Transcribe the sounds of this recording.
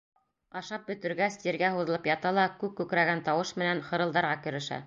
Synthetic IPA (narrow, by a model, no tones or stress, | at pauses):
ɑʃɑp̚bɵ̆t̪ɵ̆ɾɡæst̪iɾɡæɦuðɤ̆lˠɤpjɑt̪ɑlˠɑkʉk̚kʉkɾæɡænt̪ɑwɤʃmɘ̆nænχɤ̆ɾɤ̆lˠd̪ɑɾʁɑkɵ̆ɾɘ̆ʃæ̰